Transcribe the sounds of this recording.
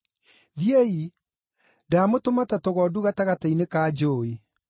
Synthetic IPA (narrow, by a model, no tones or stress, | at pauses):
ðjei | damotomatatoɣɔduɣataɣatainekaːd͡ʒoːe